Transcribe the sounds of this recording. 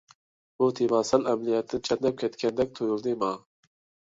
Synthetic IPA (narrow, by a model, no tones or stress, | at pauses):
boːt̪ʰevɑːsɛlɛmlijɛt̪ːɨnt͡ʃʰɛt̪nɛp̚kʲʰɛt̪kʰʲɛnd̪ɛk̚t̪ʰojuld̪eːmɑː